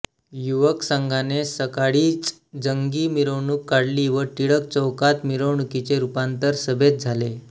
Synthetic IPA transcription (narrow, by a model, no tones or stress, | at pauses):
juʋəksəŋɡʱanesəkaɽiːt͡s | d͡zəŋɡiːmiɾoɳukːaɽliːʋəʈiɽək̚t͡səwkat̪miɾowɳukit͡seɾupant̪əɾsəbʱet̪̚d͡zʱale